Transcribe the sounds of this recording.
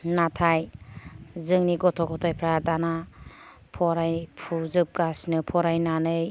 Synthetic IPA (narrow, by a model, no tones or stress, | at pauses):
natʰaj | zɯŋniɡɔtʰɔkʰɔtʰajpʰɾadana | pʰɔɾajpʰuzɯp̚ɡasnɯpʰɔɾajnanɯj